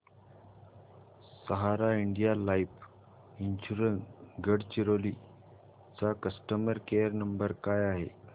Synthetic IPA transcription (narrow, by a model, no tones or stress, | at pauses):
səɦaɾaiɳɖijalaif | inɕuɾənsɡəɽt͡ɕiɾoliː | t͡sakəsʈəməɾkejəɾnəmbəɾkajaɦe